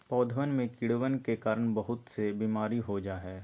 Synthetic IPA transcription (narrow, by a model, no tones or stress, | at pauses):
pɔːd̪ʱʋənmẽkɪɽʋənkekaːɾəɳ̃bɐɦʊt̪sebiːmaːɾiɦod͡ʒaːɦɛː